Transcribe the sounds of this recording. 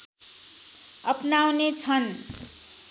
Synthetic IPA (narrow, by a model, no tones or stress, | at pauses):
ʌpnawnet͡sʰʌn